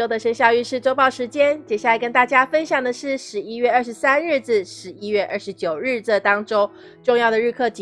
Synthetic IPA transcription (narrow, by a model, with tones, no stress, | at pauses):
o˥ʊd̪ə˨ʂə˥nɕjɑ˥˧ʊy˥˧ʂɻ̩˥˩ʈ͡ʂo˥ʊpɑ˥˩ʊʂɻ̩˧˥t͡ɕjɛ˥nt͡ɕjɛ˨˩ɕja˥˩la˧˥ɪkə˥nt̪a˥˩t͡ɕja˥fə˥nɕjɑ˨˩ŋd̪ə˩ʂɻ̩˥˩ʂɻ̩˧˥i˥ɥɛ˥˧ə˥˩ʂ̬̩˧˥sa˥nɻ̩˥˧t͡s̩˥˩ʂɻ̩˧˥i˥ɥɛ˥˧ʔə˥˩ʂɻ̩˧˥t͡ɕjo˨˩ʊɻɻ̩˥˧˩t͡sə˥˩t̪ɑ˥ŋʈ͡ʂo˥ŋ | ʈ͡ʂʊ˥˧ŋjɑ˥˩ʊd̪ə˩ɻ̩˥˧kʰɤ˥˩t͡ɕ